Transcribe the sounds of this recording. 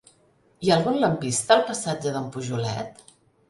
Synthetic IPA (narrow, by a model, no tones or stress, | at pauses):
iaəlˠɣunləmpist̪əːlˠpəsad͡ʒəðəmpuʒulɛ̰t̪